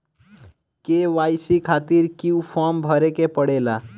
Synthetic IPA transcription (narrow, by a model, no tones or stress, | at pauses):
keʋajsikʰat̪iɾkiupʰɔmbʱəɾekepəɽela